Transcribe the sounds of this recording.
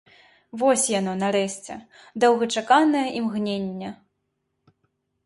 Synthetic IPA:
vɔsʲjanɔnaɾɛɕʲt͡sʲɛ̰ | d̪ɐwɣɐt͡ʂakanɐjɐʔimɣnʲenʲːɐ

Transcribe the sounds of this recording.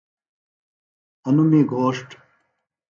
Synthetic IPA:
ɐnumeːɡʱoːʂʈ

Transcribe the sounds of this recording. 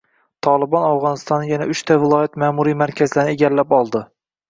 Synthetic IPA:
t̪ʰɒlˠɪbɒnafʁɒnɪst̪ɒnːajanaʊʃt̪ʰavɪlˠɒjat̪maːmuɾijmaɾkʲʰazlaɾnɪeɡʲallːapɒlˠd̪ɪ

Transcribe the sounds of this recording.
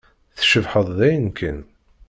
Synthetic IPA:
θʃəvħəðˤðæjənkʰən

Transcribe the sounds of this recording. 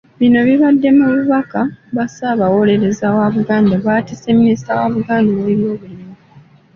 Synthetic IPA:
βino̞βiβadːe̞muluβakaβasaβawo̞le̞ɾe̞zawaβuɡaːndaβaːtise̞minisi̥tawaβuɡaːndoweβjo̞ːβuliimu

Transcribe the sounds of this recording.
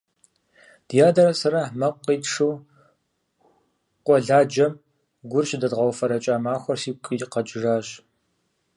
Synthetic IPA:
d̥jaːdɐɾɐsɐɾɐmɐqʷʼːiːtʂɨw | qʷʼɔɮaːd͡ʒɐm | ɡʷʊrɕdɐdʁɐwfɐɾɐt͡ʃʼaːmaːxʷɔrsiːkʼiqɐd͡ʒʼɪʐaːɕʼ

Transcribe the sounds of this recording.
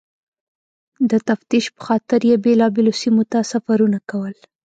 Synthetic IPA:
d̪ət̪aft̪iʃpə̥xɑt̪ɪɾjebelɑbelosimot̪asafaɾunakawəl

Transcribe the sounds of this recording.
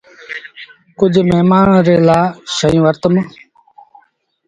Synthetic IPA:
kʊd͡ʒʱmeɦmaːɳɾeːlaːʃəjũːʋəɾt̪əm

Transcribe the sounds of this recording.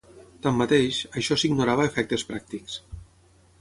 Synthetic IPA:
t̪amːat̪eʃəʃɔsiɡnuɾaβəefɛk̚t̪espɾak̚t̪iks

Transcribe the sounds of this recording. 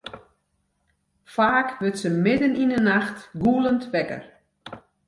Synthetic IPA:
faːkʋɪtsəmɪdəninənaxtɡuːlˠəntʋɛkə̰r

